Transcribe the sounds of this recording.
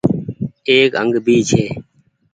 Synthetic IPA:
eːkə̰̃ŋɡbʱiːt͡ʃʰeː

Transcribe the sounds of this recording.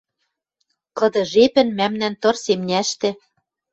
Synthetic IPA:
kɤ̆d̪ɤ̆ʒepɘ̆nmæmnænt̪ɤ̆rsemnʲæʃt̪ɘ̆

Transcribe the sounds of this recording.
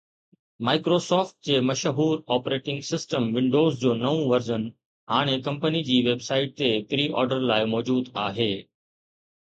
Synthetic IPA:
maːɪkɾoːsɔːfʈ̚d͡ʑeːmɐʃɦuːɾɔːpɾeːʈɪ̃ŋɡsɪsʈəmʋɪ̃ɳɖoːzd͡ʑoːnɐʋũʋɐɾzən | ɦaːɽ̃ekɐ̃mpənid͡ʑiːʋeːbsaːɪʈ̚t̪et̪ɾiːʔɔ̰ːɾɖəɾlaːɪmɔːd͡ʑuːd̪aːɦeː

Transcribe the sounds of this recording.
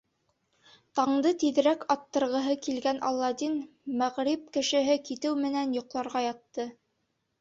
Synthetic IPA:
t̪ɑɴd̪ɤt̪ið̆ɾækɑt̪ːɤ̆ɾʁɤ̆ɦɤkilɡænʔɑ̰lˠːɑd̪in | mæʁɾip̚kɘ̆ʃɘ̆ɦɘkit̪ɘwmɘ̆nænjŏqlˠɑɾʁɑjɑt̪ːɤ

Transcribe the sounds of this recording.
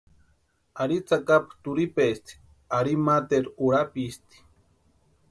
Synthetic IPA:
aɾit͡sakapt̪uɾipest̪i̥ | aɾimat̪eɾuɾapist̪i̥

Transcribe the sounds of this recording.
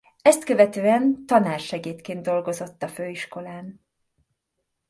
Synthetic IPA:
ɛst̪køvɛt̪øːɛnt̪ɒnaːrʃɛɡeːt̪keːnd̪d̪o̞lɡo̞zo̞t̪ːɒføːiʃko̞laːn

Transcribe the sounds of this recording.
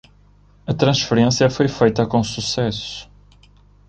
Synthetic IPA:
ɐt̪ɾɐ̃ʃfɨɾẽsjɐfojfejt̪ɐkõsusɛsʊ̥u

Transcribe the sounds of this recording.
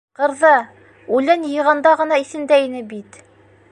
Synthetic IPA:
qɤ̆ɾðɑ | ʉlɘnjɤ̆ʁɑnd̪ɑʁɤ̆nɑiθɘ̆nd̪æinɘbit̪

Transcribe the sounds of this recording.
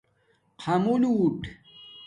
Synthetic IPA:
qʰamuluːʈ

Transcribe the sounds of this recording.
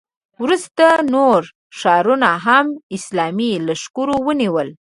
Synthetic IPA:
wɾust̪anoɾ | ʃɑɾunaɦamɪslɑmilaʃkuɾowəniwəl

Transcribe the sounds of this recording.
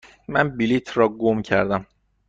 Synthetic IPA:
mænbilit̪ʰrɒːɡomcʰæ̰ɾd̪æm

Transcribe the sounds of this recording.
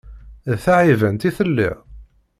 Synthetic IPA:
θaʕivənt̪iθəlːḭʁ

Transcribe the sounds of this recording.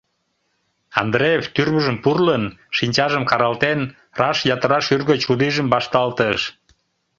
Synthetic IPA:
ɑ̰nd̪ɾeeft̪yrβəʒəmpurlənʃinʲt͡ɕɑʒəmkɑɾɑlt̪en | rɑʃjɑt̪əɾɑʃyrɣət͡ɕud̪iʒəmbɑʃt̪ɑlt̪əʃ

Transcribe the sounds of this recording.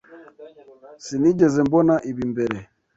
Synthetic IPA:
sinid͡ʒɛzɛmbɔnaʔiβimbɛɾɛ

